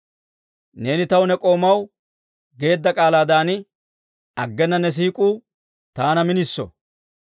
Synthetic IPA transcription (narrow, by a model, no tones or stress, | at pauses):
ne̞ːnɪt̪ɐwʊnɛkʼo̞ːmɐw | ɡe̞ːd̪ːɐkʼaːlaːd̪aːnɪ | ɐɡːɛnːɐnɛs̬iːkʼuː | t̪aːnɐmɪnɪsːɔ̰